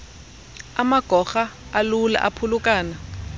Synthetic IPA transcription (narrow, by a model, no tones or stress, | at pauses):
amaɡ̥ʱɔxaːlula̰ʔa̰pʰulukʼaːna